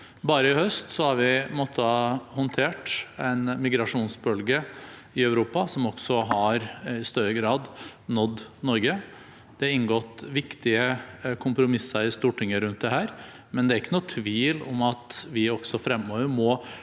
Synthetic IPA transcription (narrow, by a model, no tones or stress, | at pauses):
bɑːɾəɪhœst̪sɔhɑɾʋɪmɔt̪ʰːəɑhɔnt̪ʰeːʈɛɪnmɪɡɾɑʂuːnsbœlɡə | ɪɑœʉɾuːpɑsɔmɔɡ̥sɔɦɑɾɪst̪œɾːəɡɾɑːd̪nɔd̪nɔɾɡə | d̪̥ɛɑɾɪnɡɔt̪ːʋɪkt̪ɪəkʰʊmpɾʊmɪsːəɾɪst̪uːʈɪŋːəɾʉnt̪̚d̪ɛɦæːɾ | mɛnd̪ɛæɾɪkːənuːt̪ʰʋiːlɔ̰mɑt̪ʋɪɔksɔfɾɛmːoːʋəɾmɔ